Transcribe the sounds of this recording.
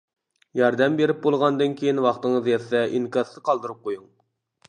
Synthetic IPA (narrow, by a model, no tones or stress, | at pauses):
jɑɾd̪ɛmbeɾɪp̚bolˠʁɑnd̪ɨnkʲʰejinwɑχt̪ɨŋəzjɛsːɛʔiŋkʲɑsɨqʰɑlˠd̪ɨɾup̚qʰojuŋ